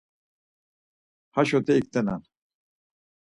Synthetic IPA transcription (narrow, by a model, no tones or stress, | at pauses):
haʃɔt̪ʰɛik̚t̪ɛna̰n